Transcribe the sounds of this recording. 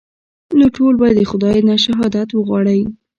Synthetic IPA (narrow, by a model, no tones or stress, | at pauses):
noʈolbɑjad̪əxʊd̪ɑj̪naʃaɦɑd̪at̪wəɣwɑɽəj